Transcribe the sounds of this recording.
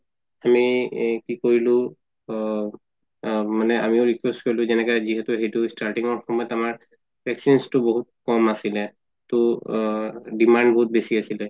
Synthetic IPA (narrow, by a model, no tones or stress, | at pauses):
amikikoɹilʊ̃ | manɛamiʊɹikwɛstkoɹilʊ̃zɛnɛkɛziɦɛtʊɦejtustaɹʈiŋɔɹxɔmɔjɔtamaɹ | bʱɛksinstʊboɦut̚kɔmasilɛ | tʊ | dimandboɦut̚besiasilɛ